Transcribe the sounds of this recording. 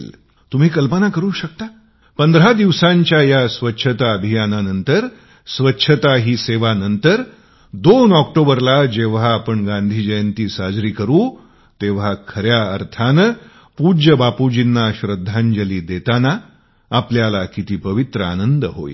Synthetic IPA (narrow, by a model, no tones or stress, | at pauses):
l | t̪um̤iːkəlpənakəɾuːɕək̚t̪a | pənd̪əɾɦad̪iʋsãɲt͡ɕjajasʋətːɕʰət̪aəbʱijananənt̪əɾ | sʋətːɕʰət̪aɦiːseʋanənt̪əɾ | d̪onɔk̚ʈobəɾlad͡ʑeʋ̤aːpəɳɡãnd̪ʱiːd͡ʑəjənt̪iːsad͡zɾiːkəɾuː | t̪eʋ̤akʰəɾjaə̰ɾt̪ʰanə | pud͡ʑəbapud͡ʑinːaɕɾəd̪ʱːãɲd͡ʑəliːd̪et̪anaː | pljalakit̪iːpəʋit̪ɾəa̰nənd̪əɦo̰ḭ